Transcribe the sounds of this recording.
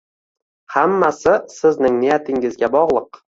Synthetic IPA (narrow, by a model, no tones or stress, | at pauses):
hamːasɪsɪznɪŋnɪjat̪ʰɪŋɪzɡʲabɒʁlˠɨq